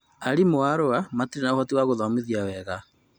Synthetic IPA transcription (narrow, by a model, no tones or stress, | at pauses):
aɾimoaɾoamatiɾenaohɔtiwaɣoðɔmiðiawɛɣa